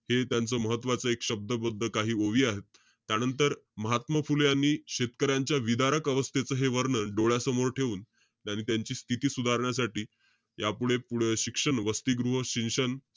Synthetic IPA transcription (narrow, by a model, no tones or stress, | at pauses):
het̪jant͡səːməɦət̪ːʋat͡səekɕəb̚d̪əbəd̪ʱːəkaɦiːoʋiːaɦet̪ː | janənt̪əɾməɦat̪məfuljaniːɕet̪̚kəɾjaɲt͡ɕjaʋid̪aɾəkəʋəst̪ʰet͡səːɦeʋəɾɳəɖoɭjasəmoɾʈʰeʋuːn | aɽ̃it̪jaɲt͡ɕiːst̪ʰit̪iːsud̪ʱaɾɳjasaʈiː | japuɽepuɽɕikʂəɳʋəst̪iːɡɾuɦəɕinʂən